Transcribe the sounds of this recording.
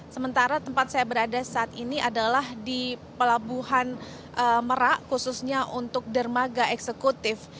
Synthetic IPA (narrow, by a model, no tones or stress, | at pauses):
səmənt̪aɾat̪əmpat̪̚sajabəɾadasaːt̪iniʔadalahdipəlabuɦan | ʔəməɾaʔkususɲaʔunt̪ʊk̚dərmaɡaʔɛksəkut̪ɪf